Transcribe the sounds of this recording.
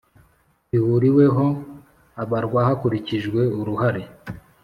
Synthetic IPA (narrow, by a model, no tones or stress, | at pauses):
ihuɾiwe̞ɦo̞ | aβaɾɡwahakuɾiciʒɡwe̞uɾuhaɾi